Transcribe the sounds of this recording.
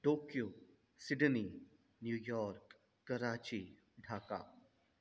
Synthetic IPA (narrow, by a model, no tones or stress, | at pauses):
ʈoːkjoː | sɪɖni | njuːjɔːɾkː | ɐɾaːt͡ʃi | ɖʱaːka̰ː